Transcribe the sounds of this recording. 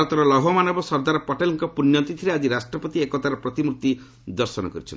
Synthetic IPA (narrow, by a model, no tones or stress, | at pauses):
ɔt̪ɔɾɔlɔɦɔmanɔbɔsɔɾd̪aɾɔpɔʈelɔŋkɔpunjɔt̪it̪ʰiɾead͡ʒiɾasʈɾɔpɔt̪iekɔt̪aɾɔpɾɔt̪imuɾt̪i | d̪ɔɾsɔnɔ̰kɔɾit͡ʃʰɔn